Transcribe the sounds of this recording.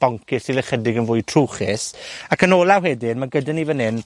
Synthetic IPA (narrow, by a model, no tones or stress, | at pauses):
b̥ɔŋkʰɪsilɛχədɪɡənvʊjtʰr̥uwχɪsakənoːlˠawɦɛdɪdmaɡədanivənɪn